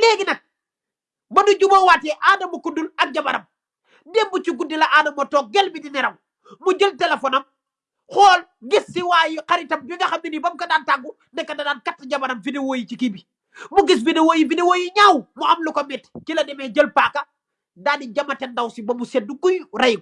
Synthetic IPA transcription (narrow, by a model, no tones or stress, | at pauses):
lɛɡinɐk̚ | bɐnduɟubɐwaːtɛʔadɐmukudulɐk̚ɟɐbɐɾɐm | dɛmːut͡ʃiɡudilɐʔaːdɐmɐtɔːk̚ɡɛlbidinɛɾɐm | mːuɟəltelefonɐm | xɔːl | ɡisːiwaːjikaɾitɐmbiŋɡɐxɐmbinibɐmkɐdaːntaɡːu | nɛkːɐdɐdaːnkatːɐɟɐbɐɾɐmfidewoːjit͡ʃikibi | muɡis̬bidewojifidewoːjiɲawmuɐmlukomɛtt͡ʃilɐdɛmɛɟəlpakɐ | daːniɟɐmɐtɛndɐwsibɐmuset̚dukujɾɐjɡu